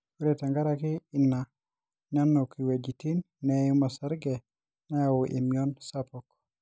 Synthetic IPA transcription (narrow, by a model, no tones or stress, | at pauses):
uɾetaŋɡaɾakiinːa | ɲanːɔkiwed͡ʒitinːɛjumasaɾɡɛ | naawuʔḭmiɔnsapɔk